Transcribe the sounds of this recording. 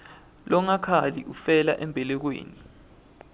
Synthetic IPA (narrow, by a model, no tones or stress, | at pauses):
lɔŋakʰaliʔufɛla̰ʔɛmbʱɛlɛk̬wḛːni